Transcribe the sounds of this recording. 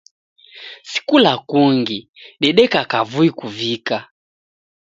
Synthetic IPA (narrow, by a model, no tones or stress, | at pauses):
si̥kulakuŋɡi | ɗɛɗɛkakavuikuvika